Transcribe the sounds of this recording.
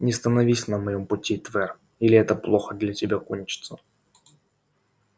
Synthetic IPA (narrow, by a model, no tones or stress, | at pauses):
nʲɪst̪ənɐvʲisʲnəmɐjo̞mpʊtʲit̪vɛr | ilʲɪɛt̪əplˠo̞xəd̪lʲatʲɪbʲakonʲt͡ɕɪ̥t̪sə